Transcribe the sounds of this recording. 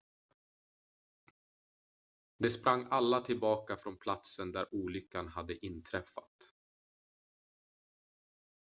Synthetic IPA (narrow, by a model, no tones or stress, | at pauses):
d̪ɛspɾaŋːalːat̪ʰɪlbɑːkafɾɔnpʰlat̪sənd̪æɾuːlʏkːanɦad̪ːəʔɪnt̪ʰɾɛfːa̰t̪